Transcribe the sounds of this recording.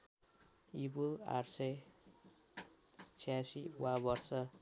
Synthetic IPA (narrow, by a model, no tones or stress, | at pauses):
ibua̰rsʌj | t͡sʰijasiwabʌrsʌ